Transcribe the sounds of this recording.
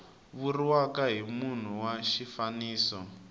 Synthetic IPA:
βuriwakaɦimun̤uwaʃifaniːsɔ

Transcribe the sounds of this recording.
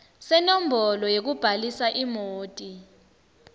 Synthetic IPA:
sɛnɔm̩bʱɔlɔjek̬ub̥ʱalisaʔimoːtʼi

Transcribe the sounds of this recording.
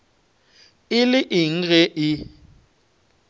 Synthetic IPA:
ɪlɪʔɪŋ̩ɣɛʔɪ

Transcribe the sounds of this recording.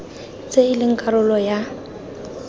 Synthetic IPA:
t͡sʼeɪlɪŋ̩kʼaɾʊlɔja

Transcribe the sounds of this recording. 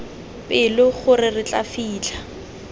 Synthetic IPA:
pɪlʊχʊrɪrɪt͡ɬʼafiːt͡ɬa

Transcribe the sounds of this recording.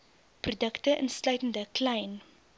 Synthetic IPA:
prudəktəʔənslœɥtəndəklɛjn

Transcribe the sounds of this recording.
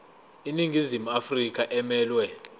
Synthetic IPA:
iniŋizimuafrik̬ʼaʔɛmɛːlwɛ

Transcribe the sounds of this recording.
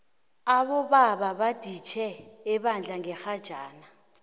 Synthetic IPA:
aɓɔɓaɓaɓad̥ʱit͡ʃʰɛːɓand͡ɮʱaŋɛxad̥ʒ̥ʱaːna

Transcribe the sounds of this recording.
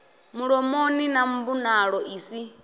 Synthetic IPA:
muɺɔmoninambunaɺɔʔiːsi

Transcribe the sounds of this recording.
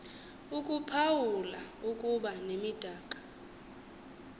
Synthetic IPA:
ukʼupʰawulaukʼuɓanemid̥ʱaːkʼḁ

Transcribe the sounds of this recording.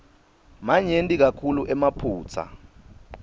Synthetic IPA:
maɲentʼik̬akʰuluʔɛmapʰuːt͡sʰa̰

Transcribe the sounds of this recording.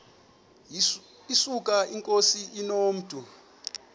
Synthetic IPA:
isukʼaʔiŋkʼosiʔinoːm̩tʰʼu

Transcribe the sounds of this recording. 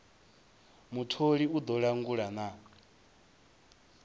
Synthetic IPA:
mutʰoɺiud̪ɔɺaŋɡuɺana

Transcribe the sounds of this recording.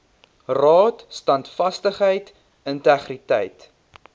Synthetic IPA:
rɑːtstɐntfɐstəχɦəjt | əntɛχritɛ̰jt

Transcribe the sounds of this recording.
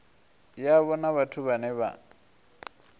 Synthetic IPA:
jaβɔnaβatʰuβanɛβa̰

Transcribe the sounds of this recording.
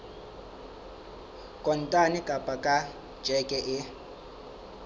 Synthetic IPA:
kʼɔn̩tʼanikʼapʼakʼḁ | d͡ʒ̥ʱɛkʼɛʔɪ

